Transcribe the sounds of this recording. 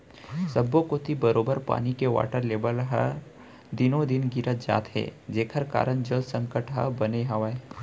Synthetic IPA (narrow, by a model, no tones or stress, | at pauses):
səbːokot̪ibəɾoːbəɾpa̰ːnikeʋa̰ːʈəɾleːbəlɦə̰ | d̪ɪnõd̪ɪnɡɪɾət̪d͡ʒa̰ːt̪ɦɛ̰ːd͡ʒeːkʰəɾka̰ːɾənd͡ʒəlsə̃ŋkəʈɦa̰bɐneɦɐʋae